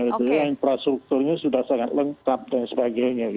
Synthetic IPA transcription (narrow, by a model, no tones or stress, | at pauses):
ɡit̪uaanpɾast̪ɾuk̚t̪ʊrɲasudahsaŋat̪̚ləŋkap̚dansəbaɡajɲaɡ